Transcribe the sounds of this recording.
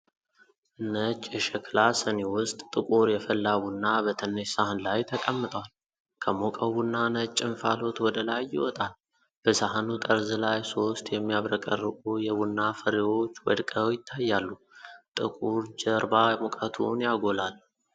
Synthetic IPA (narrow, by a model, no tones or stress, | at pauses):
nət͡ʃʼːɛʃɛkʰlasənewʊst̪ʼt̪ʼːɨkʼuɾjɛfəlːabunːabət̪ʰənːesahanlajt̪ʰəkʼəmːɨt̪ʼwal | kʰəmokʼəwunːanət͡ʃʼːɪnfalo̞t̪wɔd̪əlajːɪ̰wɔt̪ʼal | b̥əsaɦanut̪ʼəɾzɨlajso̞st̪jɛmːijaβɾəkʼərːɨkʼujɛbunːafəɾiwo̞t͡ʃːwɔd̪kʼəjɪt̪ʰːajːalːu | t̪ʼɨkʼuɾd͡ʒəɾbamokʼət̪ʰṵnjaɡo̞lal